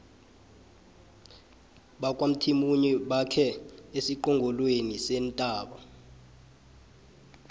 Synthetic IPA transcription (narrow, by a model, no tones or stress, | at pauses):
ɓakʼwam̩tʰimuɲiɓakʰɛesiǃɔŋɡʱɔlwenisɛːntʼaːɓa